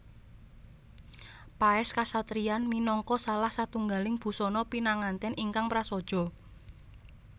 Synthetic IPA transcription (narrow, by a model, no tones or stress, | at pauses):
paɛskasat̪ɾianminɔŋkɔsalahsat̪uŋɡalɪŋb̥ṳsɔnɔpinaŋant̪ɛniŋkaŋpɾasɔd̥ʒ̥ɔ̤